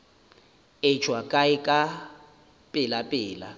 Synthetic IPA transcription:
ɪ̥t͡ʃʰwakʼaɪkʼa | pʼɪlapʼɪːla̰

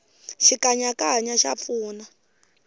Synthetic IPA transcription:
ʃikaɲakaɲaʃap̪fuːna

